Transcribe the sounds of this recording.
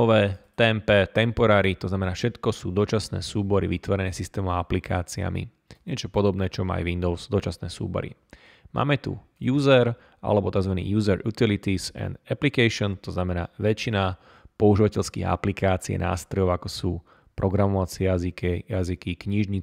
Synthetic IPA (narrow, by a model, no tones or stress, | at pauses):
ɔʋɛːt̪ɛmpɛt̪ɛmpɔɾaːɾit̪ɔznamɛnaːfʃɛt̪kɔsuːd̪ɔt͡ʃasnɛ̰ːsuːbɔɾḭʋit̪ʋɔɾɛnɛːsist̪ɛːmuaaplikʰaːt͡sia̰mḭ | ɲɪɛt͡ʃɔpɔd̪ɔbnɛːt͡ʃɔma̰jʋind̪ɔʊsd̪ɔt͡ʃasnɛːsṵːbɔ̰ɾḭ | mʔa̰ːmɛt̪ṵ | juːzɛɾ | ʔa̰lɛbɔt̪aɡzʋanḭːjuːzɛɾut̪ilit̪isɛ̰nd̪ɛplikɛjʃɔnt̪ɔznamɛnaːʋɛt͡ʃina | pɔuʒiʋacɛʎskḭːɦa̰plikaːt͡siɛ̰na̰ːst̪ɾɔjɔʊakɔsuː | pɾɔɡɾamɔʋat͡sɪɛjazikɛjazikikɲiʒɲi